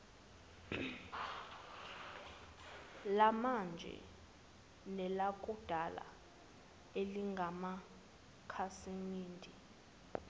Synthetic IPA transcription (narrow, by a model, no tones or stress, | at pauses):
lamand͡ʒʱɛ̰ | nɛlakʼud̥ʱala̰ | eliŋɡʱama | kʰasiŋiːndʱi